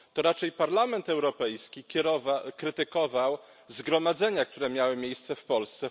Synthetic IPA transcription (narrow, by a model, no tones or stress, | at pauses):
t̪ɔɾat͡ʂɛjpaɾlamɛnt̪ɛwɾɔpɛjskʲikʲɛɾɔvakɾɘt̪ɘkɔvaw | zɡɾɔmad̪zɛɲak̚t̪uɾɛmʲjawɘmʲjejst̪sɛfpɔlst̪sɛ